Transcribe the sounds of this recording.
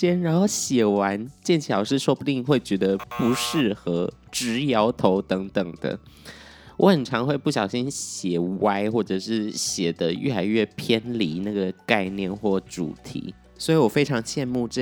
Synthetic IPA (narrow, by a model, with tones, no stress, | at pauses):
ɛ˥nɻa˧˥nxo˥˩ʊɕjɛ˨˩wa˧˦nt͡ɕjɛ˥˩nt͡ɕʰjɑ˨˩ʊʂɻ̩˥˧ʂo˥ʊpu˧t̪i˥˧ŋxwe˥˩ɪt͡ɕɥɛ˧˥d̪ə˧pu˧˥ʂɻ̩˥˩xɤ˧˥ | ʈ͡ʂɻ̩˧˥jɑ˧˥ʊt̪ʰo˧˥ʊt̪ɤ˧˦˥ŋt̪ə˨˩ŋd̪̥ə̰˦ | wʔɔ˧˥xə˨˩nʈ͡ʂʰɑ˧˥ŋxwe˥˧ɪpu˥˩ɕ̬jɑ˨˩ʊɕi˦˥nɕjɛ˨˩wa˥ɪxwɔ˥˩ʈ͡ʂɤ˨˩ʂɻ̩˥˩ɕjɛ˨˩d̪ə˦ɥʔɛ̰˥˩la˧˥ɪɥɛ˥˩pʰjɛ˥nli˧˥na˥˩ɡə˩ka˥˧ɪnjɛ˥˧nxwɔ˥˩ʈ͡ʂṵ˨˩t̪ʰḭ˧˥˦ | swɔ˧˥i˨˧˥wɔ˨˩fe˥ɪʈ͡ʂʰɑ˧˥ŋt͡ɕʰjɛ˥˧nmu˥˧ʈ͡ʂ